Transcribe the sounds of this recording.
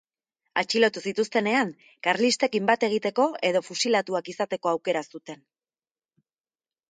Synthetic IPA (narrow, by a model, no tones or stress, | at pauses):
a̰t͡ʃilo̞t̪usit̪ust̪e̞ne̞aŋ | kaɾlist̪e̞kimbat̪e̞ɣ̞it̪e̞ko̞e̞ð̞o̞fusilat̪uakisat̪e̞ko̞awke̞ɾasut̪e̞n